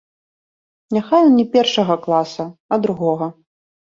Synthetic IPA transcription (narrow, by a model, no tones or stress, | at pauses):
nʲaxaj̪nʲɛpʲɛrʂɐɣɐklˠasɐɐd̪ɾuɣɔɣɐ